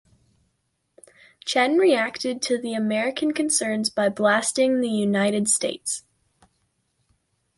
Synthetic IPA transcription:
t͡ʃʰɛ̃nɹiæktɨd̚tʰɨðiɨmɛɹɨkʰɨ̃nkʰɨ̃nsɜ̃˞nzbaɪblæstɪ̃ŋðɨjʉnaɪɾɨd̥steɪts

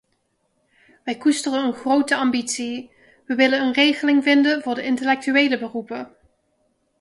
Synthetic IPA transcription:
ʋɛjkustərənənχrowtəɑmbitsi | ʋəʋɪlənənrejχəlɪŋvɪndənvʊːɹdəʔɪntəlɛk̚tyʋejləbərupə

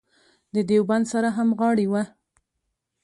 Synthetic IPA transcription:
d̪əd̪ewband̪saɾaɦamɣɑɽiwa

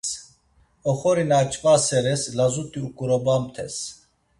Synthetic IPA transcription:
ɔχɔɾinat͡ʃʼvʼasɛɾɛslazut̪ʼiukʼuɾɔbamt̪ʰɛ̰s

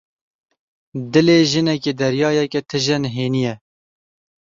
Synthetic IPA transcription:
d̪ɨleːʒɨnɛkeːd̪ɛɾjɑːjɛkɛt̪ʰɨʒɛnɦeːnijɛ

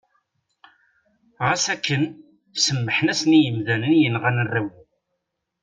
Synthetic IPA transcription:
ʁæsækːən | səmːəħnæsnijəmðænənjənʁænərːiw

